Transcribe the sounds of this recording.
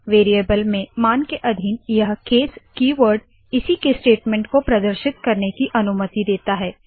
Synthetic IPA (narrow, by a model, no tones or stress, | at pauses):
ʋeːɾijeːbəlmẽmaːnkeʔɐd̪ʱɪnjɐɦkeːskiːʋəɾɖ | ɪsikesʈeːʈmɛ̃ːɳʈkopɾɐd̪əɾʃɪt̪kɐɾnekiʔɐnʊmət̪id̪eːt̪aɦɛː